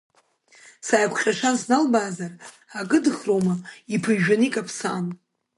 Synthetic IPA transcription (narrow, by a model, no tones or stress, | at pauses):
saːjkʷʰχʲʼaʂʷanznalbaːzar | aɡɨdɨχrowmaipʰɨʒᶣanikʼapʰsaːn